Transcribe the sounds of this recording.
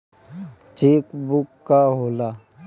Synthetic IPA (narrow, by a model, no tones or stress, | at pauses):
t͡ʃeːkbukːaɦoːlaː